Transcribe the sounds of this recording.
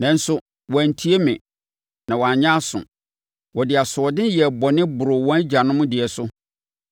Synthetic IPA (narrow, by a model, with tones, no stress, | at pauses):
nã˨n̩˦sʊ˦ | wɔ̃˨n̩˨tʰi˦e˦mɪ̃˨ | nã˨wɔ˨a˨ɲã˦sʊ̰̃˨ | wɔ˨dɪ˨a˨sʊ˨ɔ˨dɪ̃˦jɛ˨bɔ˨nɪ̃˦bʊ˨ɾʊ˨wɔ̃˦d͡ʑa˨nʊ̃˦mʊ̃˦dɪ˨ɛ˨sʊ˦